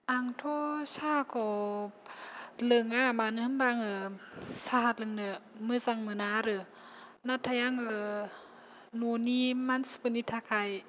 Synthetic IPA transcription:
ʔaŋt̪ʰosʰaːkɔ | lɯŋamaːnɯhɯmbaŋɯsaɦat̪̚lɯŋnɯmɯsaŋmɯnaɾɯ | nat̪ʰːajaŋɯ | nuːnimanspɯnit̪ʰːakʰaj

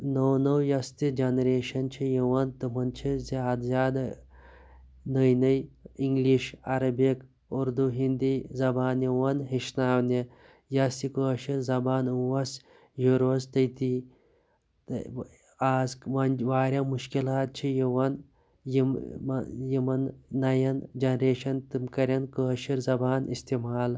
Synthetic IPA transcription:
nownɐwjɐst̪id͡ʒɐnɐɾeːʃɐnt͡ʃʰijiwɐnt̪ɨmɐnt͡ʃʰiziaːd̪zʲaːd̪ɐ | nɐjnɐjiŋɡliʃɐɾɐbek | uɾd̪uɦind̪izɐbaːnjiwɐnɦiʃnaːwni | jɐsikoʃɐzɐbaːnuwɐs | juɾost̪əjt̪i | aːzʋɐnʋaːɾʲjaːmuʃkilaːt̪̚t͡ʃʰijiʋɐn | jim | jimɐnːɐjɐnd͡ʒɐnɾeːʃɐnt̪ɨmkɐɾʲɐnkəːʃiɾzɐbaːnist̪iːmaːl

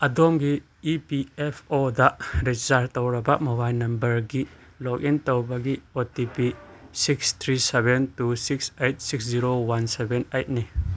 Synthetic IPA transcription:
ɐdɔmɡi | ipiɛpʰodaɾed͡ʒisaɾtɔwɾɐbaʔmobajnɐmbəɾɡi | lɔk̚intɔwbɐɡiotipisikst̪ʰɾisebɛntusiksejt̚siksziɾowansɛbɛnejt̪̚nij

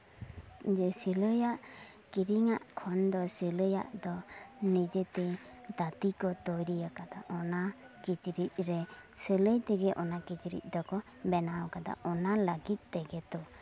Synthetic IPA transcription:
d͡ʒɛsələjaʔ | kiɾiŋaʔkʰɔnd̪ɔsələja̰ʔd̪ɔnid͡ʒet̪ɛ | d̪at̪ikɔt̪ɔjɾijakad̪aʔɔna | kit͡ʃɾit̪̚ɾɛsələjt̪ɛɡɛʔɔnakit͡ʃɾḭt̪̚ˀd̪ɔkɔ | bɛnawkad̪a̰ɔnaləɡit̪̚ˀt̪ɛɡɛt̪ɔ

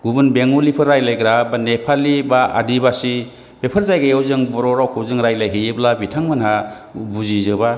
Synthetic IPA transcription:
ɡubɯnbeŋulipʰɯɾajlajɡɾabanepʰalibaa̰dibasi | b̥epʰɯɾzajɡajawzɯŋbɔɾɔɾawkʰɯwzɯŋɾajlajɦɯjɯblabitʰaŋmɯnha | buzizɯba

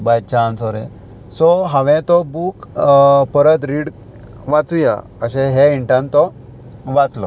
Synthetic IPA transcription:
bajt͡ɕãnsɔɾɛ̰̃ | sɔɦãʋɛ̃t̪ɔbukpəɾət̪ɾiɽ | ʋat͡suja̰ | əɕɛ̃ɦɛiɳʈãnt̪ɔ | ʋat͡slɔ̰

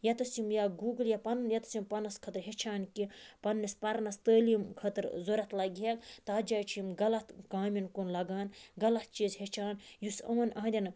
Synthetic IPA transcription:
jɐt̪ɐsimjaːɡuːɡljapɐnnjɐt̪simpɐnːɐskʰɐt̪ɾɦet͡ʃʰaːnkipɐnːispɐɾnɐst̪əːlimkʰɐt̪ɾzoɾɐt̪lɐɡʲeɡt̪aːd͡ʒaːjt͡ʃʰimɡɐlɐt̪kaːmʲinkonlɐɡaːnɡɐlɐt̪̚t͡ʃiːzɦet͡ʃʰaːnjusɐʋɐnɐɦɐd̪ʲɐn

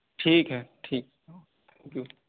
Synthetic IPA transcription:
ʈʰiːkɦɛːʈʰiːk̚ː | t̪ʰɛ̃ːŋkju

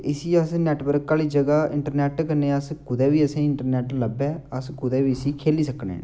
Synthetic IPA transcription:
ɪsiːəsnɛːʈʋəɾkaːliːd͡ʒəɡaːɪɳʈəɾnɛːʈkənẽːəskʊd̪ɛːʋiːəsẽːɪɳʈəɾnɛːʈləbɛːəskʊd̪ɛːʋiːəsiːkʰeːliːsəknɛ̰̃ː

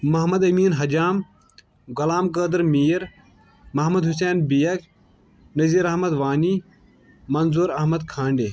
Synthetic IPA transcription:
mɐɦmɐd̪ɐmiːnɦɐd͡ʒaːm | ɡɐlaːmkəːd̪ɾmiːjɐɾ | mɐɦmɐd̪ɦus̬eːnbijɐk | nɐziːɾɐɦmɐd̪ʋaːniː | mɐnzuːɾɐɦmɐd̪kʰãːɳɖeː

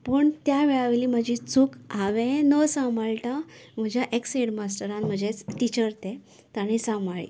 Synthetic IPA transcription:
pəɳt̪jaʋɛɭaʋeliːməd͡ʑʱit͡sukaʋẽnəsamaɭʈam̤əd͡ʑʱjaʔekseɽmasʈəɾãnm̤əd͡ʑet͡sʈit͡ɕəɾt̪ẽ | t̪aɽ̃isamaɭḭ

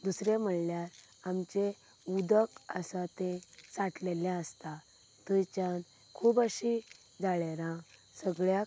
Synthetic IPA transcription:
d̪usɾem̤əɽljaɾ | amt͡ɕe | ud̪əkə̰sat̪ẽsaʈleljãəst̪a | t̪ujt͡ɕãn | kʰuːbəɕi | d͡zaɭeɾã | səɡɭja

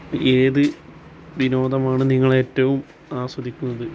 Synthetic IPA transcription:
eːðɨ | ʋino̞ːd̪ɐmaːɳɨniŋːɐɭe̞ːtːɐʋum | aːswɐd̪ʱikʲːunːɐðɨ

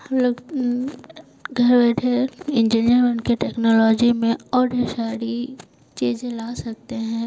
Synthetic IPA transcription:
hmloːɡ | ɡʱɐɾbɛːʈʰeɪ̃nd͡ʒinijəɾmeʊnkeʈɛːknɔːlɔːd͡ʒimẽɔːɾɖeʃaːɾi | t͡ʃiːzẽlaːsɐk̚t̪eɦɛ̃ː

